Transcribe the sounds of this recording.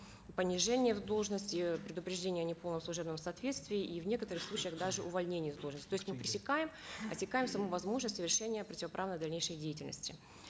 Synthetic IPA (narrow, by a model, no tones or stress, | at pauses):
pənʲɪʐɛnʲɪjəvd̪o̞lˠʐnəsʲtʲɪpɾʲɪd̪ʊpɾʲɪʐdʲenʲɪjɐnʲɪpolˠnəmslˠʊʐɛbnəmsɐːt̪vʲet̪st̪vʲɪɪʔivnʲe̞kət̪əɾɨxslˠut͡ɕɪjəxd̪aʐɨʔʊvɐlʲnʲenʲɪjəzd̪olˠʐnəsʲtʲt̪oɪsʲtʲmɨpɾʲɪsʲɪkajɪmɐ̰tʲɪkajɪmsɐmuvɐzmo̞ʐnəsʲtʲsəvʲɪrʂɛnʲɪjəpɾətʲɪvɐpɾavnəjd̪ɐlʲnʲejʂəjdʲejɪtʲɪlʲnə̰sʲtʲɪ